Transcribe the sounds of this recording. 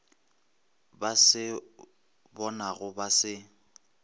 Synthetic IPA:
basɪ | bɔnaɣʊbasɪ

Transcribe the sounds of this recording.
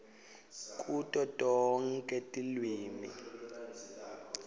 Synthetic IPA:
kʼutʼɔtʼɔŋ̩kʼɛtʼilwiːmi

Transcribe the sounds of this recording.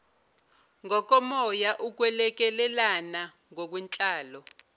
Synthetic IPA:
ŋɔk̬ɔmɔjaʔuk̬wɛlɛk̬ɛlɛlana | ŋok̬wint͡ɬʼaːlɔ

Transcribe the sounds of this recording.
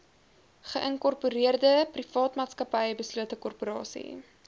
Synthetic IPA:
χəʔəŋkɔrpuɾiərdəprifɑːtmɑːtskɐpəjəbəsluətəkɔrpuɾɑːsḭ

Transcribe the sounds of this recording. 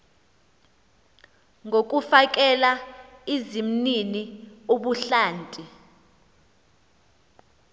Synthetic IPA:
ŋok̬ʼufak̬ʼɛlaizim̩ninioɓuɬaːntʼi

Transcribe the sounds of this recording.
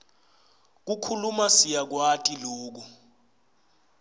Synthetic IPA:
k̬ukʰulumasijak̬watʼiloːk̬u

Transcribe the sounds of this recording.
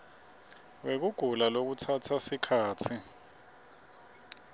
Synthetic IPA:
wek̬uɡ̥ʱulalok̬utʰatʰasikʰaːtʰi

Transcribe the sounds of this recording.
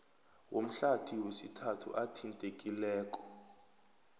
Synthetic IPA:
wʔom̩ɬatʰiwesitʰatʰṵʔatʰintʼekʼilɛːk̬ʼɔ̥

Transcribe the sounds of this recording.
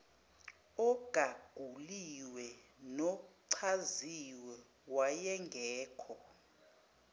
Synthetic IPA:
ɔɡ̥ʱaɡ̥ʱuliwɛnɔǀʰaziwɛ | wajɛŋɡʱɛːkʰɔ

